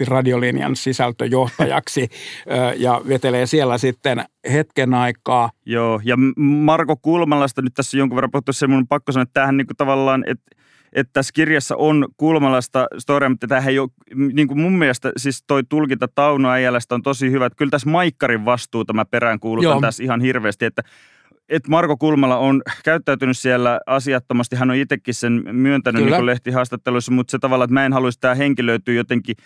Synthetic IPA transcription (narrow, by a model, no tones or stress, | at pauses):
irɑdiolinjɑ̰nsisælt̪øjoht̪ɑ̰jɑ̰ksiː | jɑʋet̪eleːsielːæsit̪ːenhet̪kenɑikːˑɑːjoːjɑmɑrkokuːlmɑlːˑɑst̪ɑnyt̪t̪æsːæjoŋkuʋerːɑmpuhut̪ːuseimunpɑkːosɑnoet̪ːtæːhænniːŋkut̪ɑʋɑlːɑːnḛt̪ | ʔet̪t̪æskirjɑsːɑ̰ʔonkuːlmɑlːɑst̪ɑst̪oriɑmut̪ːæt̪æːhæjo | niːŋkummumːielest̪æsist̪oit̪ulkint̪ɑt̪ɑunoæjælːæst̪ont̪osihyʋæet̪kylt̪æsmɑikːɑɾiʋʋɑst̪uːt̪æmæpeɾæŋkuːlut̪ːɑnt̪æsihɑnhirʋeːst̪iet̪ːæ | et̪mɑrkokulmɑlɑonkæyt̪ːæyt̪ynyssielːæɑsiɑt̪ːomɑst̪iɦænoit̪ekːissenmyønt̪ænynniŋkuleht̪ihɑːst̪ɑt̪ːelusːɑmut̪set̪ɑʋɑlːɑːet̪mæːenhɑluisit̪æːheŋkiløyt̪yːjot̪eŋki